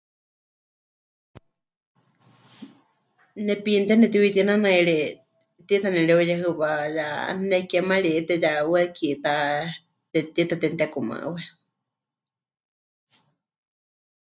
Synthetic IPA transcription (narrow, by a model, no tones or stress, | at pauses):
nɛpint̪ɛnɛt̪iwit̪inanaiɺi | t̪it̪ʰanɛɺɛojɛɦɨpaja̰nɛkɛmaɺit̪ɛjawɛkit̪a | t̪ɛt̪it̪at̪ɛnt̪ɛkuma̰ʔwɛ